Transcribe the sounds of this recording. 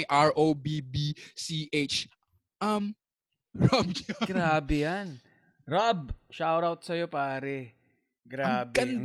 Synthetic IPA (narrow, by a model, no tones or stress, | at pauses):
ʔaɹʔobibisiʔet͡ʃ | ʔɐm | ɹab̚ɲɐɡɾaːbɛjan | ɾab̚ʃawɾawt̪̚sɐjo̞paːɾɛ | ɡɾaːbkɐn